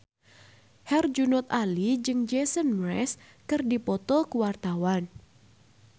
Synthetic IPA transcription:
hɛrd͡ʒunɔt̪̚alid͡ʒɨŋd͡ʒesənmɾɛ̰s | kɨrdipɔt̪ɔkuwart̪awan

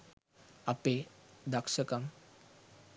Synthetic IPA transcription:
aped̪akʂəkam

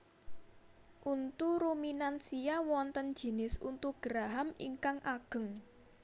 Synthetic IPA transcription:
ʔunt̪uɾominansiawɔnt̪ənd̥ʒ̥i̤nɪsunt̪uɡ̥ɾaɦamḭŋkaŋʔaɡ̥ə̤ŋ

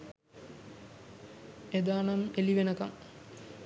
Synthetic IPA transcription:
ed̪aːnameliʋenəkaŋ

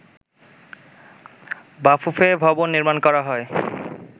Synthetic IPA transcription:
bafufebʱɔbonːiɾmankɔɾaɦɔe

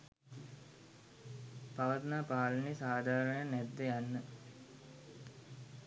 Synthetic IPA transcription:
paʋɐt̪naːpaːlənisaːd̪ʱaːɾənənɛd̪ːəjanːə

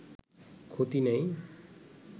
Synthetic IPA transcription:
kʰot̪inʌj̃

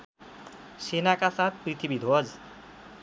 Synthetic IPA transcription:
senakasat̪̚pɾit̪ʰibid̪ʱod͡z

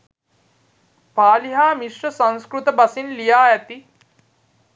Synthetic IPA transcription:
paːliɦaːmiʂrəsãnskɾut̪əbasinlijaːæt̪i

